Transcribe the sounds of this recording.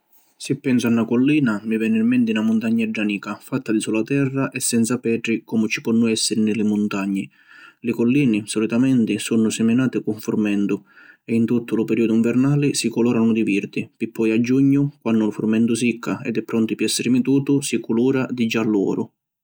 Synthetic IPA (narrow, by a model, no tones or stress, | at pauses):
sɪpːɛnsʊanːakɔlːiːnamivɛːnːɪrmɛnt̪ɪnamʊnt̪aɲːaɛɖːaniːkafat̪ːad̪isulat̪ɛrːaʔɛsːɛnt̪sapɛːʈ̪ɾikɔmʊt͡ʃi̥pɔnːʊɛsːɪɾɪnɪlɪmʊnt̪aɲːɪ | lɪkɔlːiːnɪsɔlit̪amɛnt̪ɪsunːʊsɪmɪnaːt̪ɪkuɱfurmɛnd̪ʊɛint̪ut̪ːʊlʊpɛɾiːʊd̪ʊuiɱvɛɾnaːlɪsikɔlɔːɾanʊd̪iviɾd̪ipipʰːɔjad͡ʒːuɲːʊkwanːʊlʊfurmɛnd̪ʊs̬ikʰːaɛ̰d̪ɛpːɾɔnt̪ɪpɪɛsːɪɾɪmit̪uːt̪ʊsikuluːɾad̪id͡ʒːalːɔ̰ːɾʊ